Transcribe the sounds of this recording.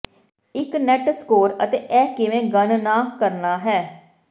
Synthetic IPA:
ɪknɛʈskoːɾət̪eːʔɛːkɪʋẽːɡənnaːkəɾnaːɦɛː

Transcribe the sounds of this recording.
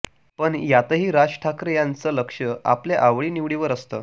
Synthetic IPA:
pəɳjat̪əɦiːɾad͡ʑʈʰakɾəjant͡sələkʂəa̰pleʔaʋɭiːniʋɽiʋəɾəst̪əː

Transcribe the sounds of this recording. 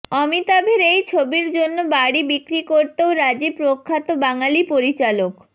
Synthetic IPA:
ɔmit̪abʱeɾejt͡ɕʰobiɾd͡ʑonːobaɽibikɾikoɾt̪eoɾad͡ʑipɾokʰːat̪obaŋalipoɾit͡ɕalok

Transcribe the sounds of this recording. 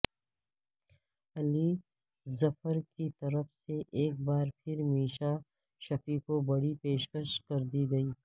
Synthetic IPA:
ɐli | zɐfəɾkit̪ɐɾəfseʔeːk̚baːɾpʰɪɾmiːʃa | ʃɐfikobɐɽipeːʃkəʃkɐɾd̪iɡɐiː

